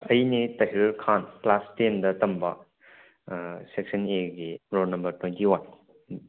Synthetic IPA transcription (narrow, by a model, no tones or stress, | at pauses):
ɐjnitɐɦiɾɾkʰanplastendɐtɐmbɐ | seksɐneɡiɾonɐmbɐɾtwentiwan